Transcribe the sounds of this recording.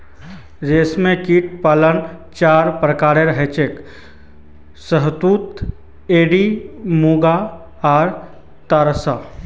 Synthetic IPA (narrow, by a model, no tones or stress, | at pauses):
ɾeːsmẽkiːʈ̚paːlənt͡ʃaːɾpɾəkaːɾeɾɐɦet͡ʃek | səɦt̪uːt̪ | eːɖimuːɡa | aːɾ | t̪aːɾsa